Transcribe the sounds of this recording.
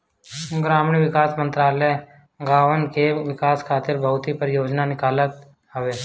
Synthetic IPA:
ɡɾaːmɳiʋɪkaːsmə̃nt̪ɾaːlə | ɡaːʋənkeʋɪkaːskʰaːt̪ɪɾbʱəʊt̪ipəɾjoːd͡ʒnanɪkaːlət̪ | ɦəʋeː

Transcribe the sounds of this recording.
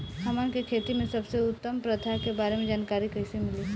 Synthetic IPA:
haːmaːnkekʰeːt̪imẽsɐbseʊt̪ːəmpɾɐt̪ʰakebaːɾemẽd͡ʒaːnkaːɾikɐɪsemɪli

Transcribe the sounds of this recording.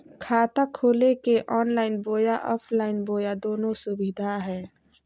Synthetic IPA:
kʰaːt̪akʰoːlekeʔɔːnlaːɪnboːjaʔɔːpʰlaːɪnboːjad̪oːnõsʊbɪd̪ʱaɦɛː

